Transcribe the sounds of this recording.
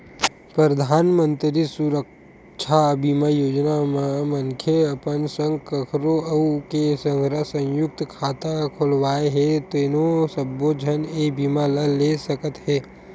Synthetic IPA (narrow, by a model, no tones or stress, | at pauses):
pɾɾəd̪ʱaːnmə̃nt̪ɾisuɾək̚ | ʃʰabimajoːd͡ʒnammə̃ŋkʰjəɐpənsə̃ŋɡkəkʰɾoəukesə̃ŋɡʱɾaɦsə̃jʊk̚t̪kʰaːt̪akʰolʋaːeɦɛt̪oɪnosəbːod͡ʒʱəneːbimaləlesəkət̪ɦɛː